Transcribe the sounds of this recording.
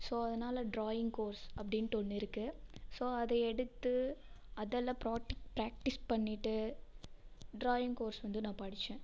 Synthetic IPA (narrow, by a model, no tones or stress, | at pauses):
soːɐðɐnaːlɐɖɾoːjɪŋɡkoːɾsɐpːɐɽɪnt̪ɔɳːɪɾɯkːɯsoːɐðɛɛɽɯt̪ːɯ | ɐðɛlːɐ̃pɾaːʈɪpɾaːk̚ʈɪspɐɳːɪʈːɯ | ɖɾoːjɪŋɡkoːɾsʋɐnd̪ɯnãːpɐɽɪt͡ʃːẽː